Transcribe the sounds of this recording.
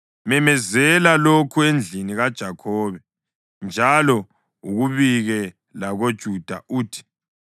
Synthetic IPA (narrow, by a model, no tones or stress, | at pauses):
mɛmɛzɛlalokʰuend͡ɮʱiniɣad̥ʒ̥ʱakʰɔːβɛ | nd͡ʒʱalɔ | uɣuβiɣɛ | laɣod̥ʒ̥ʱud̥ʱa̰ʔuːtʰi̥